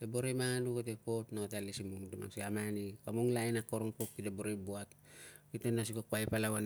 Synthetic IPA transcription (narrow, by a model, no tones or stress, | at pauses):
d̥aboɾemaŋanukatepotnaatalisimumuduma̰ŋsiamanikamuŋlajnakːoɾoŋpokːidaboɾebuat | kitenːas̬ikokuajpalawan